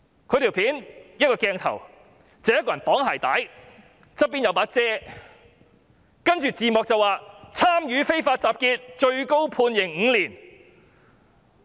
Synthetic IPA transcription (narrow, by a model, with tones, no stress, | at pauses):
kʰɵ˧t̪iː˨˩wpʰiː˨˥njɐ˥t̚kɔː˧kɛː˧ŋt̪ʰɐ̰˨˩w | t͡sɛ˨˧jɐ˥kɔː˧jɐ˨˩npɔː˨˥ŋɦaː˨˩jt̪aː˨˥j | t͡sɐ˥p̚pːiː˥njɐ˨˧wpaː˨˥t͡sɛː˥ | kɐ˥nt͡ʃyː˨t͡siː˨mɔː˨k̚t͡sɐ˨˩waː˨t͡sʰaː˥mjyː˨˧˥fe˥jfaː˧t̚t͡saː˨p̚kiː˧t̚t͡ʃɵ˧ɥko˥wpʰuː˧njɪ˨˩ŋŋ̩˨˧liː˨˩n